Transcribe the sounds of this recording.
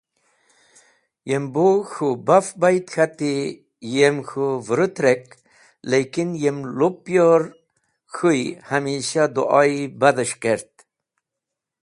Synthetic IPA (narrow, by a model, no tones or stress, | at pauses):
jemboxubafbajt̪xat̪i | jemxuvɾut̪ɾek | lekinjemlupːjoɾ | xujhamiɕad̪uʔɑibad̪əʂkeɾt̪̚